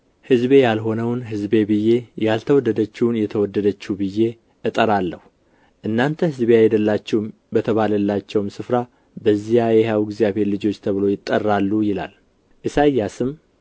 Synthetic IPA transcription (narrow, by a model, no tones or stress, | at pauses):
hɨzbe̞jalɦo̞nəwnɦɨzbe̞bɨjːe̞jalt̪ʰəwɔd̪ːəd̪ət͡ʃːɪwnjɛt̪ʰəwɔd̪ːəd̪ət͡ʃːubɨjːe̞ | ʔɨt̪ʼəɾalːəh | ʔɨnːant̪ʰəhɨzbeajɛd̪əlːat͡ʃːɛwm | bət̪ʰəβaləlːat͡ʃːɛwmsɨfɾa | bəzːijajɛhawɡzijaβhe̞ɾlɨd͡ʒo̞t͡ʃːt̪ʰəβɨlo̞jɪt̪ʼːərːalːujɪla̰l | ʔɨsajːasɨm